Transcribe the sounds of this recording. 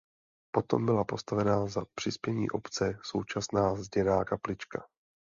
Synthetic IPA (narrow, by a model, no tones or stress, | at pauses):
po̞t̪o̞̰mbɪlapo̞st̪avɛnaːzapr̝̥ɪspjɛɲḭːʔo̞pt͡sɛso̞wt͡ʃasnaːzɟɛnaːkaplɪt͡ʃka